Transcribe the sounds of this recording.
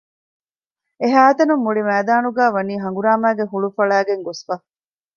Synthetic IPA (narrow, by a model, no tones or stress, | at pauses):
eɦæːt̪ɐnumːuɭimæːd̪aːnuɡæːʋɐniːɦɐŋɡuɾaːmæːɡeɦuɭufɐɭæːɡeŋɡosfɐ